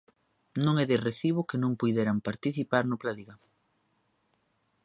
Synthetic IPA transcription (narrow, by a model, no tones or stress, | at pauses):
nõŋɛðereθiβʊkɪnõŋpujðeɾampaɾt̪iθipaɾnʊplaðiɣa